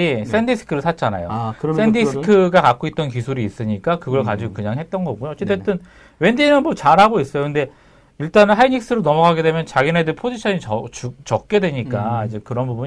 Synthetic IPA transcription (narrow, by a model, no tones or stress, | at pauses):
is͈e̞ndisʰɯ̥kʰɯɾɯɭsʰat̚t͡ɕ͈ana̰jo̰s͈ʰendisʰɯ̥kʰɯɡakak͈oit̚t͈ʌnkisʰuɾiːs͈ɯɲik͈akɯɡʌɭkad͡ʑiɡokɯɲaŋɦe̞t̚t͈ʌnɡʌɡujoʌt͡ɕ͈e̞tʰːe̞tt͈ɯn | we̞ndinɯnmʌt͡ɕaɾɦaɡois͈ʌjokɯnde̞ | iɭt͈anɦaiɲik̚s͈ɯɾonʌmʌɡaɡe̞dwe̞mjʌnt͡ɕaɡine̞dɯpʰod͡ʑiɕʰʌɲiʌt͡ɕut͡ɕʌk̚k͈e̞dwe̞ɲik͈aid͡ʑe̞kɯɾʌnbubuɲ